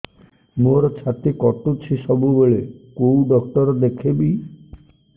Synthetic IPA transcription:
moɾɔt͡ʃʰat̪ikɔʈut͡ʃʰiʃɔbubeɭekowɖɔkʈɔɾɔd̪ekʰebi

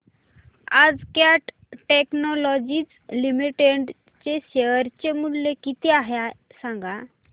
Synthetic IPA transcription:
ad͡zkaʈ | ʈeknɔlɔd͡ʑiːt͡s | limiʈeɖ | t͡ɕeɕeʋəɾt͡ɕemulːekit̪iaɦja | sãŋɡa

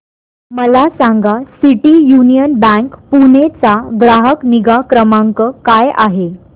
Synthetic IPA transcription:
məlasaŋɡasiʈijunijənbæŋkpunet͡saɡɾaɦəkniɡakɾəmaŋkəkaja̰ɦe

